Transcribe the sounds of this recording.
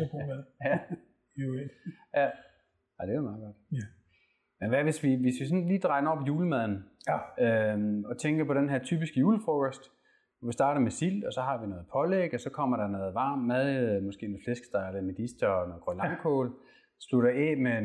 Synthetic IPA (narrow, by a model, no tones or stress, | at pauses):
jæ | jæ | æd̥e̝ɑmɑ̈ːð̩ˠɡ̥ɒ̽d̥ | menʋæʋe̝sʋiʋe̝sʋisɒ̽nliːd̥ʁɑ̈ɪnɐɒ̽bjuːləmæð̞ˠn̩øɒ̽t͡sʰeŋɡ̥ɐpʰɒ̽ɾenɦæɐt͡sʰyːb̥isɡ̥əjuːləfɔɡ̥æsd̥ | ʋɒʋisd̥ɑ̈ːɾɐmesil̰̥ɒ̽sɒ̽hɑ̈ʋinɔ̽ːð̩ˠpʰɒ̽leɡ̥ɒsɒ̽kʰɒ̽m̰ɐɾ̥ɑ̈nɔːð̩ˠʋɑ̈ːmːæðˠmɒ̽sɡ̥e̝̰ːnoːð̩ˠflesɡ̥sd̥ɑ̈lemed̥isd̥ɐɒnɔ̽ːðˠɡʁɔlɑ̈ŋkʰɔːl | sluɾɐeme